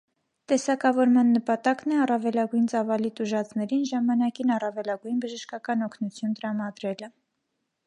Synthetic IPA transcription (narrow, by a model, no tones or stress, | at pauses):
t̪ɛsɑkɑvɔɾmɑnːəpɑt̪ɑknɛɑrɑvɛlɑɡujnt͡sɑvɑlit̪uʒɑt͡snɛɾinʒɑmɑnɑkinɑrɑvɛlɑɡujnbəʒəʃkɑkɑnɔkʰnut͡sʰjunt̪əɾɑmɑd̪ɾɛlə